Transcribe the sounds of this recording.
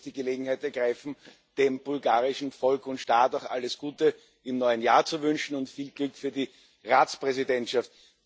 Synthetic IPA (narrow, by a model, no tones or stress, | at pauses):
d̥iːɡəleːɡŋ̩haɪtɛɐɡ̥ʁaɪfn̩ | d̥eːmb̥ʊlɡaːʁɪʃn̩fɔlkʊntʃtaːtaʊxʔaləsɡ̥uːtə | ɪmnɔʏənjaːɐt͡suvʏnʃn̩ʊntfiːlɡ̥lʏkfyːɐdi | ʁaːt͡spʁɛzidɛntʃaft̚